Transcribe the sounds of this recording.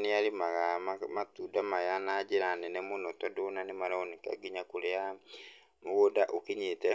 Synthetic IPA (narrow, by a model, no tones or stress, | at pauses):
neaɾimaɣamamatudamajanad͡ʒeɾanɛnɛmonɔtɔdonanemaɾaoneka̰ɡiɲakoɾea | moɣodaʔokiɲetɛ